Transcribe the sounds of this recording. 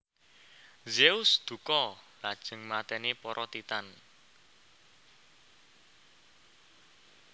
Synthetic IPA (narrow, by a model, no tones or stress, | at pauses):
zeusd̪̥ṳkɔlad̥ʒ̥ə̤ŋmat̪ɛnepɔɾʔɔt̪it̪an